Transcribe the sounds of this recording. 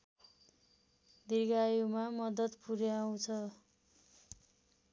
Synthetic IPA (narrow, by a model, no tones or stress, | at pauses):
d̪iɡajumamʌd̪ʌt̪puɾjaw̃t͡sʰʌ